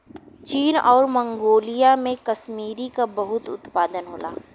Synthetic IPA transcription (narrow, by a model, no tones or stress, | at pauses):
t͡ʃiːnɔːɾmɐ̃ŋɡoːlijamẽkɐʃmiːɾikabɐɦʊt̪ʊ̰t̪paːd̪ənɦoːla̰ː